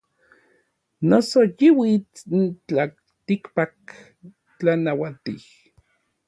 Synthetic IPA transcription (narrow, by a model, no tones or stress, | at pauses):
nosojiwit͡sint͡ɬa | t̪ikpak | t͡ɬanawat̪ih